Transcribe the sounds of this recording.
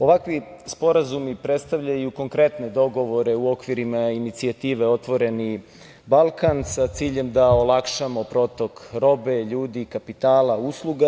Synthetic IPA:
o̞ʋakʋispo̞ɾazumipɾet̪st̪aʋʎajuko̞ŋkɾe̞t̪ne̞d̪o̞ɡo̞ʋo̞ɾe̞uo̞kʋiɾimainit̪siat̪iːʋeo̞t̪ʋo̞ɾe̞ni | balˠkansat̪siːʎe̞md̪aolakʃamo̞pɾo̞t̪o̞kɾo̞be̞ʎuːd̪ikapit̪aːlauslˠuɡa

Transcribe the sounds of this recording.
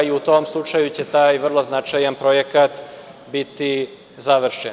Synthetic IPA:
iut̪o̞ːmslˠut͡ʂajut͡ɕe̞t̪aːjʋr̩lˠo̞znat͡ʃajanpɾo̞je̞kat̪ | bit̪i | zaʋr̩ʃen

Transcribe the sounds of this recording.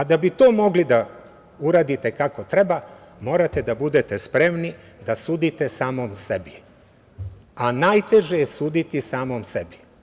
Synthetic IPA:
ad̪abit̪o̞ːmo̞ɡlid̪a | uɾaːd̪it̪ekako̞t̪ɾe̞ba | mo̞ːɾat̪ed̪abud̪et̪espɾe̞mni | d̪asuːd̪it̪e̞saːmomsebi | anajt̪e̞ʒejesuːd̪it̪isaːmomsebi

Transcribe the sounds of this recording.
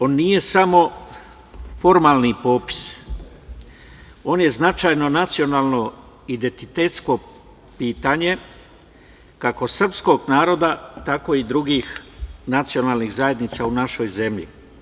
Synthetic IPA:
o̞ːnːije̞samo̞ | fo̞ɾmaːlnipo̞ːpi̥s | o̞ːnje̞znat͡ʃaːjno̞nat̪sio̞naːlˠno̞ | id̪e̞nt̪it̪et̪sko̞ | piːt̪aɲe̞ | kako̞sr̩psko̞ɡnaːɾo̞d̪at̪ako̞id̪ɾuɡixnat̪sio̞naːlnixzaje̞d̪nit̪saunaʃo̞jze̞mʎḭ

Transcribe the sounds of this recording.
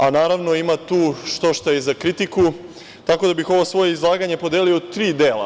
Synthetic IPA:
anaːɾaʋno̞imat̪uːʃt̪o̞ʃt̪ojezakɾit̪iku | t̪ako̞d̪abixo̞ʋo̞sʋo̞jeizlˠaːɡaɲe̞po̞d̪elio̞t̪ɾiːd̪e̞ːla̰

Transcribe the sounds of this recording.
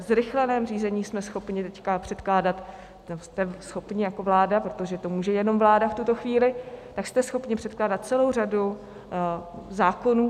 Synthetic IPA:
zɾɪxlɛnɛːmriːzɛɲiːsmɛsxo̞pɲɪt̪ɛckapr̝̥ɛt̪klaːdat̪ | ost̪ɛsxo̞pɲɪjako̞vlaːdapɾot̪o̞ʒɛt̪o̞muːʒɛjɛno̞mvlaːdaft̪ut̪o̞xviːlɪt̪akst̪ɛsxo̞pɲɪpr̝̥ɛt̪klaːdat̪̚t͡sɛlo̞wradu | zaːko̞nuː

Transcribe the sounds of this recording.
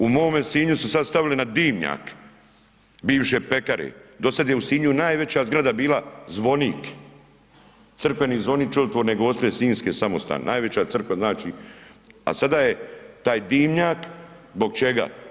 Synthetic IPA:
umo̞mesiːɲususad̪st̪aʋilenad̪iːmɲa̰ːk | biːʋʃepekaɾḛd̪o̞sad̪jeusiːɲunaːjʋe̞t͡ɕazɡɾad̪abiːlazʋo̞niːk | t̪sɨr̩kʋe̞niːzʋo̞niːkt͡ʃolt̪ʋoɾneɡoost̪ɾesiːnskeːsamost̪a̰nḛnaːjʋe̞t͡ɕat̪r̩kʋaznaːt͡ʃi | a̰sad̪aːjet̪aːjd̪iːmɲaːkzbo̞ɡ̚t͡ʃe̞ɡa̰

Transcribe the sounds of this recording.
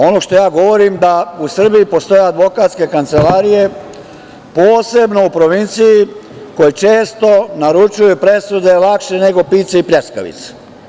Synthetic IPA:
o̞noʃt̪o̞jaːɡo̞ʋo̞ɾimd̪ausr̩bijipo̞st̪o̞jead̪ʋo̞kat̪ske̞kant̪se̞laːɾije̞ | poːse̞bno̞upɾo̞ʋint̪siji | ko̞jet͡ʃeːst̪o̞naɾut͡ʃujupɾe̞sud̪e̞lakʃe̞ne̞ɡo̞piːt̪seipjʲeska̰ʋḭt̪se̥

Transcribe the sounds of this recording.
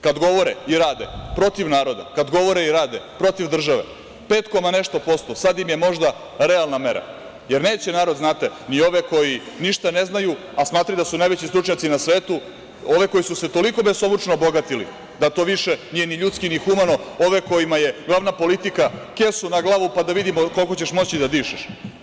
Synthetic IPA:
kad̪ɡo̞ʋo̞ɾeiɾaːd̪ḛpɾo̞t̪iʋnaːɾo̞d̪a̰kad̪ɡo̞ʋo̞ɾeiɾaːd̪epɾo̞t̪iʋd̪r̩ʒaʋḛ | peːt̪komane̞ʃt̪opo̞st̪osad̪imjemo̞ʒd̪a | ɾealˠname̞ɾa̰ | je̞ɾne̞ːt͡ɕenaːɾo̞d̪znaːt̪enio̞ʋeko̞ji | niʃt̪ane̞znaju | asmaːt̪ɾajd̪asunajʋe̞t͡ɕist̪ɾut͡ʃɲat̪sinasʋeːt̪u | o̞ʋe̞ko̞jisuset̪o̞liko̞besobut͡ʃnoːboɡat̪ilḭ | d̪at̪o̞ːʋiʃeniːje̞niʎut̪skinixumano̞o̞ʋeko̞jimaje̞ɡlaːʋnapo̞lit̪ikakesunaɡlˠaːʋupad̪aʋid̪imoko̞lkot͡ɕeʃmo̞t͡ɕid̪ad̪iːʃɛʃ

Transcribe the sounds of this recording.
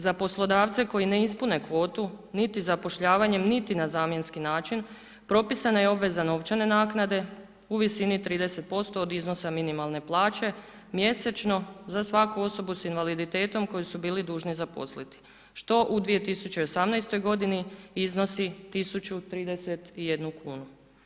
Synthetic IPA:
zapo̞slˠo̞d̪aːʋt̪se̞ko̞jine̞ispune̞kʋo̞ːt̪unit̪izapo̞ʃʎaːʋaɲe̞mnit̪inazaːmje̞nskinaːt͡ʃin | pɾo̞pisanajeo̞bʋe̞zano̞ʋt͡ʃane̞naːknad̪e̞ | uʋisinit̪ɾiːd̪e̞se̞t̪̚po̞st̪o̞ːd̪izno̞saminimalˠne̞plˠaːt͡ʃe̞ | mje̞set͡ʃno̞zasʋakuo̞so̞businʋalid̪it̪e̞ːt̪o̞mko̞jisubiːlid̪uːʒnizapo̞slit̪i̥ | ʃt̪o̞ʔud̪ʋije̞t̪isut͡ɕeio̞samnajst̪o̞jɡo̞d̪iniizno̞sit̪isut͡ɕut̪ɾiːd̪e̞se̞t̪ije̞d̪nukuːnu

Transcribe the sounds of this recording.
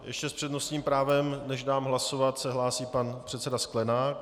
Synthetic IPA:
jɛʃcɛspr̥ɛdno̞sɲiːmpɾaːvɛmnɛʒdaːmɦlasovat̪sɛɦlaːsiːpanpr̥ɛt̪sɛdasklɛnaːk̚

